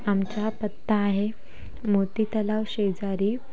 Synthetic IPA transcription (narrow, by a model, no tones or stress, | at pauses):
amt͡ɕapət̪ːaːɦe | mot̪iːt̪əlaʋɕed͡zaɾiː